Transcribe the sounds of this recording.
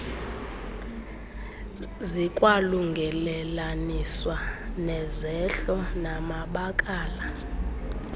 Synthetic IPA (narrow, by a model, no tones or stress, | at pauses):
zikʼwaluŋɡʱɛlɛlaniswanɛzɛɬɔnamaɓakʼaːla